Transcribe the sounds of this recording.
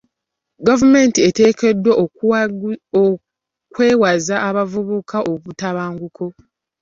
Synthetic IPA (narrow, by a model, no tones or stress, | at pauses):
ɡavume̞ntiete̞ːke̞dwe | kwe̞ːwazaʔːβavuβukʰaʔoβutaβaːŋɡukʰo̞